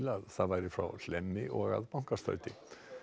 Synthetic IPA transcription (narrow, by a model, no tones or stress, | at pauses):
laðθavajɾɪfɾa̰wlɛmːɪʔɔɣa̰ðpawŋ̥kast̪œ̰ɥt̪ɪ